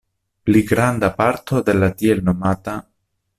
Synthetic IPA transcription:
pliɡɾand̪apaɾt̪ʰo̞d̪e̞lat̪ielno̞mat̪a

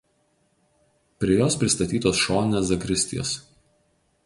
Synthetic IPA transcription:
pʲɾʲɪjoːspʲɾʲɪst̪ɐt̪ʲiːt̪oːsʃoːnʲnʲeːsɐkɾʲɪsʲt̪ʲɪ̰jo̰ːs

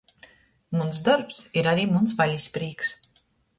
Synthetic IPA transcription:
munsd̪ɔɾpsiɾaɾiːmunsvalʲispɾiːks

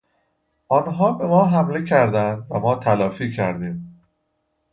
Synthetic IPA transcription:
ʔɒːnɦɒːbe̞mɒːɦæmle̞cʰæɾd̪ænd̪væmɒːt̪ʰælɒːfiːcʰæɾd̪iːm

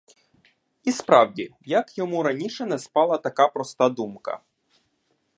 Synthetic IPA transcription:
ispɾɑwdʲijɐkjɔmuɾɐnʲiʃɛnɛspɑlˠɐt̪ɐkɑpɾɔst̪ɑd̪umkɐ̰

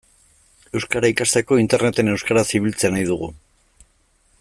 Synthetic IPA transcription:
e̞wskaɾaikast̪e̞ko̞int̪e̞rnet̪e̞ne̞wskaɾasiβilt͡se̞najðuɣ̞u

